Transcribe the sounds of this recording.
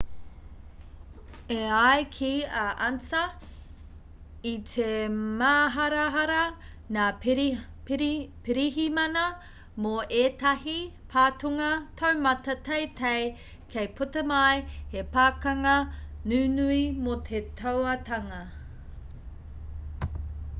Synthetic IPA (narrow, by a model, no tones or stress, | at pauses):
eajkʰiɐʔɐnt͡sɐ | itʰemaːɦɐɾɐɦɐɾɐ | naː | pɾpiɾiɦimɐnɐ | moʔeːtɐɦipʰaːtuŋɐtʰɐwmɐtɐtejtʰej | kʰejpʰutɐmɐjhepaːkɐŋɐnʉːnuimot̪ʰetʰɐwɐtɐŋɐ